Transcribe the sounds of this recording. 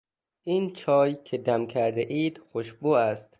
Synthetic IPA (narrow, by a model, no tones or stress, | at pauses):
ʔiːnt͡ʃʰɒːjkʲʰed̪æmkʲʰæɾd̪eʔiːd̪̥xoʃbuːæst̪